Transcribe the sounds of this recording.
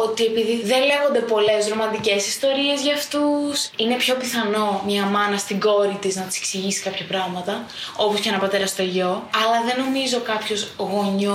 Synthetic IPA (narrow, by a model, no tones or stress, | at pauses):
ot̪ie̞piðiðe̞nle̞ɣo̞nd̪e̞po̞le̞zɾo̞mɐnd̪ice̞sist̪o̞ɾie̞zʝɐːft̪usine̞pço̞piθɐno̞mɲɐmɐnɐst̪iɡo̞ɾit̪iznɐt̪i̥seksiʝisi̥kɐpçɐpɾɐɣmɐt̪ɐ | o̞poscenɐpɐt̪e̞ɾɐst̪o̞ʝo̞ɐlɐðe̞no̞mizo̞kɐpço̞zɣo̞ɲo